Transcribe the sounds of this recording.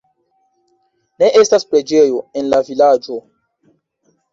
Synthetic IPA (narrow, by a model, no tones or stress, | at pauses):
ne̞ʔe̞staspɾe̞d͡ʒe̞jo̞enlavilad͡ʒo̞